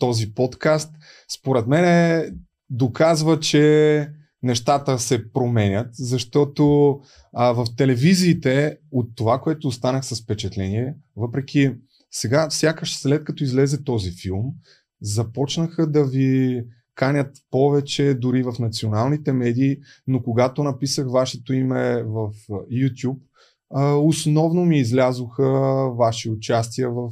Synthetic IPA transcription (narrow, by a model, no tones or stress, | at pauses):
t̪ɔzipɔt̪kast̪ | spoɾɛt̪mɛnɛ | d̪okazvət͡ʃɛ | nɛʃt̪at̪əsɛpɾomɛnʲət̪zɐʃt̪ɔt̪o | vɐft̪ɛlɛviziːt̪ɛot̪ːovakoɛt̪oːst̪anəxsɐsfpɛt͡ʃɛt̪lɛniɛvɤpɾɛkʲi | sɛɡafsʲjakəʃslɛt̪̚kɐt̪ɔizlɛzɛt̪ɔzifilˠm | zɐpɔt͡ʃnəxəd̪ɐvi | kanʲət̪pɔvɛt͡ʃɛd̪ʊɾivɐfnɐt̪sionalˠnit̪ɛmɛd̪iː | nokoɡat̪onɐpisəxvaʃɛt̪oimɛvəfjut̪ʲjup̚ | əosnɔvnomiːzlʲazoxəvaʃiʊt͡ʃast̪iəvəf